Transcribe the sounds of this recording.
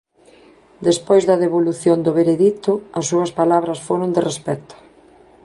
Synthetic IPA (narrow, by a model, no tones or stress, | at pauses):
d̪espojzðɐðeβoluθjond̪ʊβeɾeðit̪ʊɐsːuɐspalaβɾɐsfoɾʊnd̪erespɛt̪ʊ̥